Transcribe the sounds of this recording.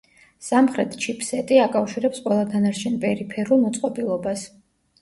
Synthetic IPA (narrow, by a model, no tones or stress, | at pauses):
samχɾɛt̪ʰt͡ʃʰipʰsɛt̪ʼiakʼafʃiɾɛpsqʼwɛlˠad̪ʰanaɾt͡ʃʰɛnpʼɛɾipʰɛɾulˠmɔt̪sʼqʼɔbilˠɔbas